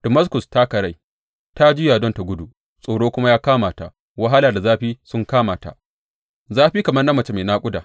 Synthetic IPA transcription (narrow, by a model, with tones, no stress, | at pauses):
d̥ɐ˨ma˦skʊ˨sta˦kɐ˨ɾa˦j | ta˦d͡ʒɪ˦jaː˨dɔ˦nta˨ɡʷʊ˦du˨ | sʼoː˨ɽoː˦kʷʊ˦ma˦jaː˦kaː˦maː˨ta̰˨ʔ | wɐ˦ɦa˦laː˨da˨zaː˦ɸiː˦sʊ˦ŋkaː˦maː˨ta̰˨ʔ | zaː˦ɸiː˦kɐ˨mɐ˦rnɐ˦mːɐ˨t͡ʃe˦meː˨naː˦kʷʼʊ˦daː˨